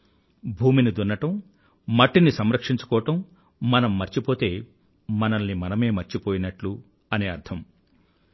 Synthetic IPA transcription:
bʱuːminid̪unːɐʈɐm | mɐʈːinisɐmɾɐkʂiɲt͡ʃu̥kɔːɐʈɐmː | ɐnɐmːɐɾt͡ʃipo̞ːt̪e̞ː | mɐnɐnːimɐnɐme̞ːmɐɾt͡ʃipoːjinɐʈlu | ɐneːɐɾt̪ʰɐm

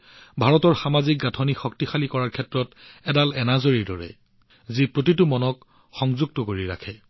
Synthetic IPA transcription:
bʱaɹɔtɔɹxamazik̚ɡatʰɔnixɔktixalikɔɹaɹkʰɛtɹɔtɛdalɛnazoɹidɔɹɛ̰ | zipɹotitumɔnɔk | xɔŋzuɡ̚tɔkoɹiɹa̰kʰɛ

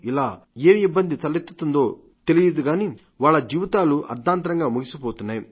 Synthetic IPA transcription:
ilaːeːibːɐnd̪it̪ɐlit̪ːu̥t̪und̪o̞ː | t̪elijɐd̪uɡaːni | ʋaːɭːɐd͡ʒiːʋit̪aːluʔɐ̰ɾd̪ʱaːnt̪̬ɐɾɐŋɡaːmuɡisipoːt̪unːaːji

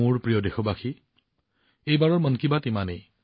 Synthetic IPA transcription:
ʊɹpɹijɔdexɔbaxʰi | ejbaɹɔɹmɔnkibatimanej

